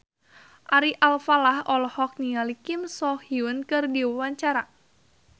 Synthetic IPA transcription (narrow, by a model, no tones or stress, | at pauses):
ʔaɾiʔalfalahɔlɔhɔk̚nialikɪmsɔhiunkɨrdiwwaɲt͡ʃaɾa